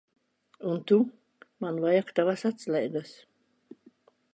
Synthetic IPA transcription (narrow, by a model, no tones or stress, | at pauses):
unt̪u | manvajakt̪avasat̪slʲɛjɡ̪as